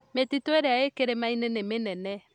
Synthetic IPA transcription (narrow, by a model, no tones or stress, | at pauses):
metitoeɾeaekeɾemainenemenɛnɛ